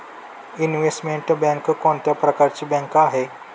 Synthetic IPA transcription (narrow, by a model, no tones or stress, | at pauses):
inʋesʈmeɳʈbɛ̃ŋkkoɳt̪japɾəkaɾt͡ɕiːbɛ̃ŋkaɦe